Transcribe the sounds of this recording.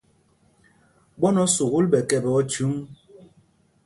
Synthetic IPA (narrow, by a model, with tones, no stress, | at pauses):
ɓɔ˦nɔ˦su˨ɣu˦lɓɛ˨kɛ˨bɛ˨ɔ˦t͡ʃu˨˦ŋ